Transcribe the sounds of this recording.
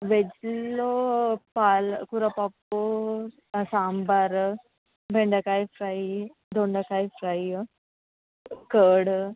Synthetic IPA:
ʋed͡ʑlopalkuɾapapo | sambaɾ | bʱeɳɖəkajfɾai | d̪ʱoɳɖəkajfɾaj | kəːɽ

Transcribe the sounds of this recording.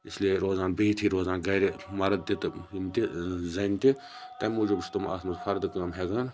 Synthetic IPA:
ɪslieɾoːzaːnbɐit̪ʰiːɾoːzaːnɡɐjɾemɐɾɐd̪̚t̪it̪ɨint̪izɐnt̪i | t̪ɐmuːd͡ʒubist̪uma̰ːsʰmɐt̪pʰɐɾd̪kɐːmɦeːɡaːn

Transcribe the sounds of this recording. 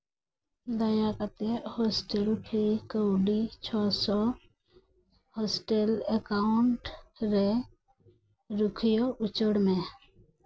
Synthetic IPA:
d̪ajakat̪ehɔsʈelpʰikəwɖit͡ʃʰɔsɔ | hɔsʈelekaʊɳʈɾe | ɾukʰijɔʔut͡ʃəɽmẽ

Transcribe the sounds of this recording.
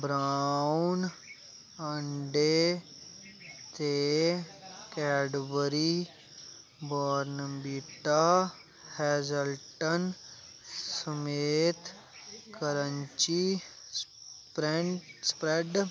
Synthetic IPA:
bɾaːʊn | əɳɖe | t̪e | kɛːɖbəɾi | bɔːɾnbiʈa | hɛːd͡ʒəlʈən | səmeːt̪ | kəɾəɲt͡ʃispɾeɳʈspɾeɖ

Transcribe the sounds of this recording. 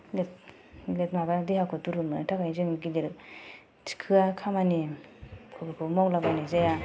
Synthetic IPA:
let̚ | let̚mabadihakʰɯtuɾɯmɯtʰakʰajzɯŋɡidiɾ | tʰi̥kʰɯakʰamanikʰɔbɯkʰumawlabanizaja

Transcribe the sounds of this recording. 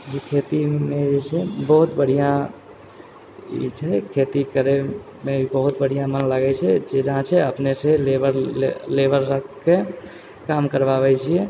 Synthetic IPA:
ɦikʰet̪imẽd͡ʒet͡ʃʰebəɦut̪bəɽ̤ijã | ḭt͡ʃʰɛkʰet̪ikəɾe | meibəɦut̪̚bəɽ̤ijãmənləɡɛt͡ʃʰɛd͡ʒed͡ʒəɦãt͡ʃʰɛəpneselebəɾlebəɾɾəkːe | kamkəɾbaβɛt͡ʃʰiɛ

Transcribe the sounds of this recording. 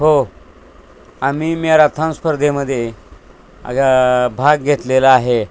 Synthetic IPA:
ɦo | amiːmiaɾat̪ʰãñspəɾd̪ʱeməd̪ʱːje | a̰ɡabʱaɡ̚ɡʱet̪lelaaɦe

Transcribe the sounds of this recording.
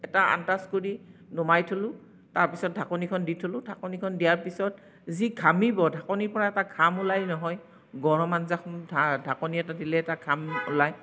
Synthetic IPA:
ɛtaa̰ntaskoɹinɔmajtʰolʊ̃ | taɹpisɔt̚dʱakɔnikʰɔnditʰolʊ̃dʱakɔnikʰɔndijaɹpisɔt | zikʰamibɔdʱakɔniɹpɔɹaɛtakʰamʊlajnɔɦɔj | ɡɔɹɔmanzaadʱakɔniɛtadilɛɛtakʰamʊ̰laj

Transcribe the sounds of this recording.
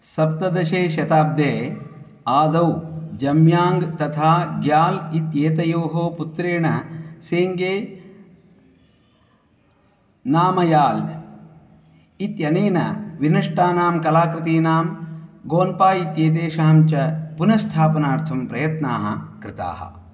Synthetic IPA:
sɐp̚t̪ɐd̪ɐʃeːʃjɐt̪aːb̚d̪eː | aːd̪ɐwd͡ʒɐmjaːŋɡt̪ɐt̪ʰaːɡjaːlit̪jeːt̪ɐjoːɦoːput̪ɾeːɳɐseːŋɡeː | naːmɐjaːl | it̪jɐneːnɐ̰ʋinɐʂʈaːnaːmkɐlaːkɾɪt̪iːnaːmɡoːnpaːit̪jeːt̪̬eːʃaːmt͡ʃɐpunɐst̪ʰaːpɐnaːɾt̪ʰɐmpɾɐjɐt̪naːɦɐ̰kɾɪt̪a̰ːɦɐ̰

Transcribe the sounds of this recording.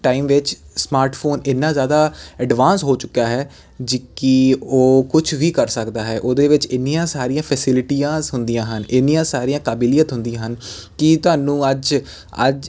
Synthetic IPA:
ʈaːiːmʋɪt͡ʃsmaːɾʈpʰoːnɪnːãːzjaːd̪aːɛɖʋaːnsɦoːt͡ʃʊkːjaːɦɛː | d͡ʒɪkioːkʊt͡ʃʰʋiːkəɾsəkd̪aːɦɛːʔoːd̪eːʋɪt͡ʃɪnːijãːsaːɾijãːpʰɛsɪlʈiːãːzɦʊnd̪ijãːɦənɪnːijãːsaːɾiãːkaːbɪlijət̪ɦʊ̃nd̪ijãːɦən | kɪt̪ʊɦaːnũːəd͡ʒ | ə̰d͡ʒ

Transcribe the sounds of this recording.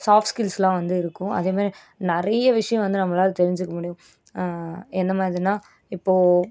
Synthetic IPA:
saːfskɪlslãːʋɐnd̪ɯɪɾɯkːʊ̃ʔɐ̰ðeːmaːd̪ɾi | nɪɾɐjɐʋɪʂɐjɐ̃ʋɐnd̪ɯnɐmːɐlaːɾɯt̪ɛɾɪɲd͡ʒɯkːɐmʊɽɪjʊ̃ | ɛnd̪ɐmaːdɾɪðɯnːaː | ɪpːoː

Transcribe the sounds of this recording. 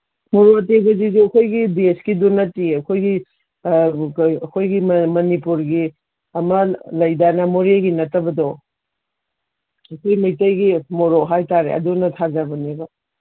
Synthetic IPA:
moɾotebɐzizuɐkʰojɡideskidunɐtiɐkʰojɡi | ɐkʰojɡimɐnipuɾɡi | ɐmɐlɐjdanɐmoɾeɡinɐtːɐbɐdɔ | ɐkʰojmijtɐjɡimoɾoɦajtaɾḛʔɐ̰dunɐtʰazabɐnibo

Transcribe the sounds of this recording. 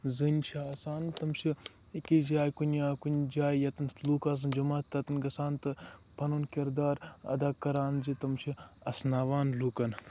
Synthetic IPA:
zɨnʲʃʰasaːnt̪ɐmʃʰi | ikid͡ʒaːjkunaːkunʲd͡ʒaːjjɐt̪ɐnluːkaːz̬ɨnd͡ʒɐmaːt̪ːɐt̪ɐnɡɐsaːnt̪ɨpʰɐnunkiɾd̪aːɾɐ̰d̪aːkɐɾaːnzit̪ɐmt͡ʃʰiɐsnaːʋaːnluːkɐn

